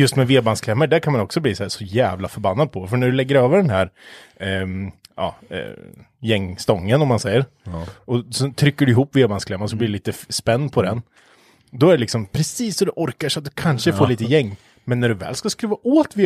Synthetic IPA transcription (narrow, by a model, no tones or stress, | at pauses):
jɵst̪mɛveːbanskʰlɛmːəɖæɾkʰanmanɔksɔbliːsæːsɔjæːvlafœɾbanːad̪̚pʰɔfœɳæɖɵlɛɡːəɾøːvəɖɛnɦæɾ | ɑ̰ː | jɛŋːst̪ɔŋːənɔmːansɛjːəɾ | ɔsɔt̪ʰɾʏkːəɖɵɪɦuːpːveːbanskʰlɛmːans̬ɔbliːɖɛliːt̪əspɛnːpʰɔd̪ɛn | d̪ɔæɖɛlɪksɔmpʰɾɛsiːsːɔd̪ɛʔɔɾkaʂat̪̚d̪ɵkʰanʂəfoːliːt̪əjɛŋː | mɛnːæɖɵvɛ̰ːlskaskɾiːvaʔoːt̪veː